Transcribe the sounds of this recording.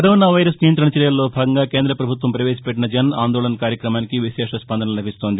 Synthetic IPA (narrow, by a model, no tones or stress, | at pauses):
kɐɾoːnaːʋɐjɾɐsnijɐnt̪ɾɐɳɐt͡ʃiɾjɐlːo̞ːbʱaːɡɐŋɡaːkeːnd̪ɾɐpɾɐbʱut̪ʋɐmpɾɐʋeːsi̥pɛʈːinɐd͡ʒɐnaːnd̪oːɭɐnɐkaːɾjɐkɾɐmaːnikiʋiʃɛːʂɐspɐnd̪ʱɐnɐɐlɐbʱist̪o̞ːnd̪i